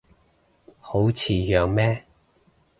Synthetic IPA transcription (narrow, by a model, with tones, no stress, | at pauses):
ho˨˥wt͡sʰiː˨jœː˨ŋmɛː˥